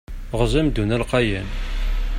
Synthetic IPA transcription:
ʁəzˤæmd̪unælqɑjæn

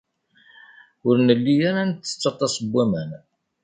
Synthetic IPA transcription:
ʊɾnəlːijaɾant̪ːə̥t͡sːɑt̪ˤːɑsˤəbʷːæmən

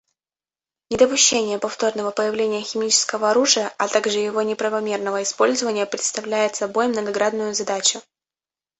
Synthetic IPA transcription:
nʲɪd̪əpʊɕːenʲɪjəpɐft̪o̞rnəvəpəjɪvlʲenʲɪjəxʲɪmʲit͡ɕɪ̥skəvəɐɾuʐɨjəʔɐt̪aɡʐɨjɪvo̞nʲɪpɾəvɐmʲe̞rnəvəɪspo̞lʲzəvənʲɪjəpɾʲɪt̪st̪ɐvlʲæjɪt̪sɐbo̞jmnəɡɐɡɾad̪nʊjʊzɐd̪at͡ɕʊ

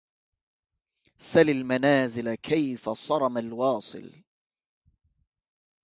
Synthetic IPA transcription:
salalmanaːzɪlakʰajfasˤɑɾˤɑmalwɑːsˤɨ̰l

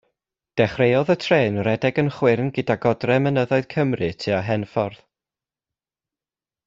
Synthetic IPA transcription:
d̥ɛχrejɔðətʰreːnrɛdɛɡənχwɪrnɡədaɡɔdrɛmənəðɔɨð̥kʰəmrɨtʰiaɦɛnfɔrð

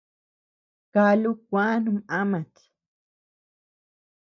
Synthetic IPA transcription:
kalukʷwanumamat̪

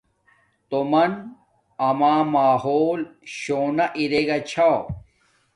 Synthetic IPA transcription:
t̪omɐn | ɐmaːmaːɦoːlɕoːnɐʔiɾeɡɐt͡ɕʰa

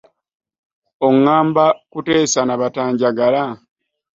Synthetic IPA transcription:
oŋːaːmbakute̞ːsanaβataːɲɟaɡala

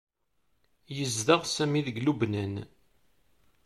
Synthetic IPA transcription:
jəzðəʁsæmiðəɡlubnæn

